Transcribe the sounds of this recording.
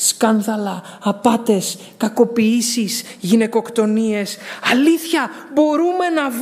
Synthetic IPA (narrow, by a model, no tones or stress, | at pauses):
skɐnðɐlɐː | pɐt̪e̞s | kɐko̞piisisʝine̞ko̞kt̪o̞nie̞sɐliθçɐbo̞ɾume̞nɐv